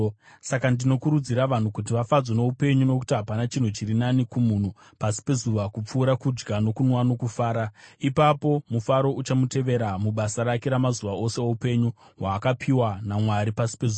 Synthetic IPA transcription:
sakandino̞kuɾud͡ziɾaʋan̤ukut̬iʋafad͡zwono̞upe̞ɲuno̞ku̥tiɦapanat͡ʃin̤ut͡ʃiɾinanikumun̤u | pasi̥pe̞zuʋakup͡fuːɾakud͡ʒɡano̞kunwano̞kufaːɾaipapo̞mufaɾo̞ʔut͡ʃamute̞ʋe̞ɾamuɓasaɾake̞ɾamazuʋaʔo̞se̞oupe̞ɲu | ɦwaːkapʰiwanamwaɾipasi̥pezuːa

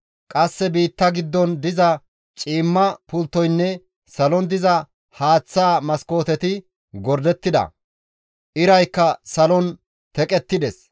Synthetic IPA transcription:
kʼɐsːɛbiːt̪ːɐɡɪd̪ːɔnd̪ɪzɐ | t͡ʃʼiːmːɐpʊlt̪ːɔjnːɛ | sɐlɔnd̪ɪzɐ | haːt͡sːaːmɐsko̞ːt̪ɛt̪ɪ | ɡɔɾd̪ɛt̪ːɪd̪ɐ̰ | ʔɪɾɐjkːɐsɐlɔn | t̪ɛkʼɛt̪ːɪd̪ɛs

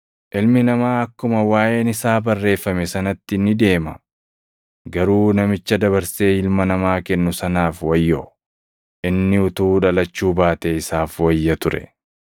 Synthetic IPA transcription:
ʔɪlmɪnɐmaːɐkːʊmɐwaːjʔe̞ːnɪsaːbɐrːe̞ːfːɐmɛsɐnɐt̪ːɪnːɪd̪e̞ːmɐ | ɡɐɾuːnɐmɪt͡ʃːɐd̪ɐβɐɾse̞ːhɪlmɐnɐmaːkɛnːʊsɐnaːfwɐjːo | ʔɪnːɪʊt̪uːᶑɐlɐt͡ʃːuːbaːt̪eɪsaːfwɐjːɐt̪ʊɾɛ̰

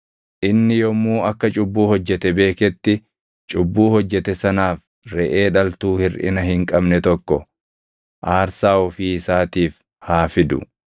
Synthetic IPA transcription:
ʔɪnːɪjɔmuːʔɐkːɐt͡ʃʼʊbːuːhɔd͡ʒːɛt̪ɛbe̞ːkɛt̪ːɪ | t͡ʃʼʊbːuːhɔd͡ʒːɛt̪ɛsɐnaːf | ɾɛʔe̞ːᶑɐlt̪uːhɪɾʔɪ̰nɐhɪŋkʼɐbnɛt̪ɔkːɔ | ʔaːɾsaːɔfiːɪsaːt̪iːf | haːfɪd̪ʊ̰

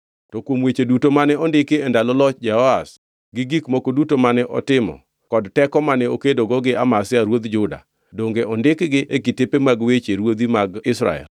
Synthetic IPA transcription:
tɔkwomwet͡ʃedutomanɛɔndɪkɪendalɔlɔt͡ʃd͡ʒɛhɔas | ɡɪɡikmokodutomanɛʔɔ̰tɪmɔ̰ | kɔdtɛkɔmanɛokedoɡɔɡɪamasɪaɾwod̪d͡ʒʊda̰ | doŋɡeɔndɪkɡɪʔekɪtɪpemaɡwet͡ʃeɾwod̪imaɡɪsɾa̰ɛ̰l

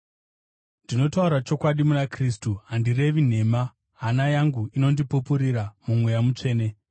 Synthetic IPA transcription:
ndino̞tauɾat͡ʃo̞kwaɗimunakristuɦandire̞ʋin̤e̞ma | ɦanajaŋɡuino̞ndipupuɾiɾamumwe̞jamut͡ʂe̞ːne̞

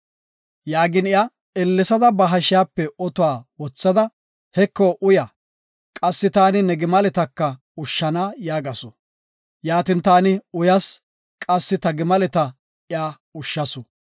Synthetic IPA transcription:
jaːɡɪnɪja | ɛlːɛsɐd̪ɐbɐɦɐʃɪjaːpːɛɔt̪ʊwaːwɔt͡sːɐd̪ɐ | hɛkːoʔʊja | kʼɐsːɪt̪aːnɪnɛɡɪmɐlɛt̪ɐkːɐ | ʊʃːɐnaːjaːɡɐsɔ | jaːt̪ɪnt̪aːnɪʊjɐs | kʼɐsːɪt̪ɐɡɪmɐlɛt̪ɐ | ɪaː | ʊʃːɐsɔ

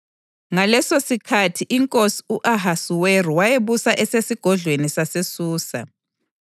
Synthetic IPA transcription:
ŋalɛsosikʰatʰiʔiŋkʼosi̥uʔaɦasuweruwajeβusaʔɛsesiɡ̥ʱɔɮʱwenisasesuːsa̰

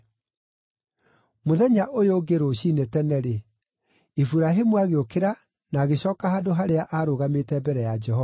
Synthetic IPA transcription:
moðɛɲaʔojoɡeɾoɕiːnetɛnɛɾe | efuɾaɦemuaɣeokeɾa | naːɣeɕɔːkaɦadoɦaɾeaʔaɾoɣametɛbɛɾɛjad͡ʒɛhɔa

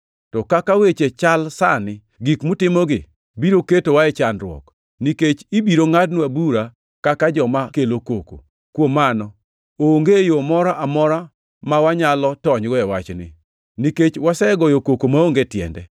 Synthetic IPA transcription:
tɔkakawet͡ʃet͡ʃalsa̰nɪ | ɡikmʊtɪmɔɡɪ̰ | biɾoketowaɛt͡ʃanɾwɔ̰k | niket͡ʃibiɾoŋadnabuɾa | kakad͡ʒɔmakelokoko̰ | kwomanɔ | oŋɡejomɔɾaʔamɔɾa | mawaɲalɔtɔɲɡɔɛwat͡ʃnɪ̰ | niket͡ʃwasɛɡɔjokokomaoŋɡetjɛ̰ndɛ̰

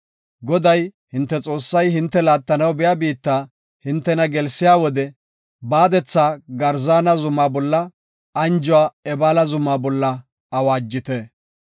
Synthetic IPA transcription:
ɡɔd̪ɐj | hɪnt̪ːɛt͡sʼo̞ːsːɐjɦɪnt̪ːɛlaːt̪ːɐnɐwbɛjabiːt̪ːaː | hɪnt̪ːɛnɐɡɛlsːɪjaːwɔd̪ɛ | baːd̪ɛt͡sːaːɡɐɾzaːnɐzʊmaːbɔlːɐ | ɐnd͡ʒʊwaːɛbaːlɐzʊmaːbɔlːɐ | ɐwaːd͡ʒːɪt̪ɛ

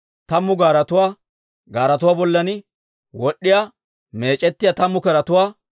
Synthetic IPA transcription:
t̪ɐmːʊɡaːɾɐt̪ʊwaː | ɡaːɾɐt̪ʊwaːbɔlːɐnɪ | wɔɗːɪja | me̞ːt͡ʃʼɛt̪ːɪjat̪ɐmːʊkɛɾɐt̪ʊwaː

